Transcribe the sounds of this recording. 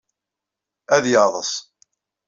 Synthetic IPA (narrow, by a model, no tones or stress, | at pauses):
æðjɑðˤəsˤ